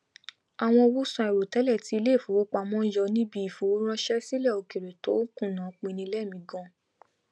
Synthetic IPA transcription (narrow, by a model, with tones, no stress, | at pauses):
a˨w̃ɔ̃˧o˧wu˦sã˧ɛ˨ɾo˨tɛ˨˦lɛ˦˨ti˧˦˧le˦˨fõ˨˦o˦k͡pa˧mɔ̃˦jɔ˧nĩ˦bi˦i˨fo˨˦ɾ̃ã˦ʃɛ˦si˦lɛ˦˨o˧˨ke˨ɾe˨to˨˦kũ˦˨nã˨˦k͡pĩ˧nĩ˧˦lɛ˦˨mĩ˧ɡɔ̃˦˨